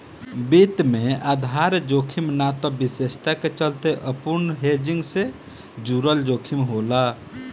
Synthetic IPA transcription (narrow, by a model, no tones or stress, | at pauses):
bit̪mẽad̪ʱaɾd͡ʒoːkʰimnat̪ɔbisest̪aket͡ʃəlt̪eʔəpunɦed͡ʒiŋɡse | d͡ʒuɾəld͡ʒokʰimɦola